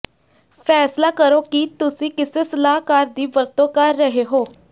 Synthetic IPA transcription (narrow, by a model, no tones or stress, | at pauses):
pʰɛːslaːkəɾoːkit̪ʊsĩːkɪseːsəlaːkaːɾd̪iːbəɾt̪õːkəɾːəɦeːɦoː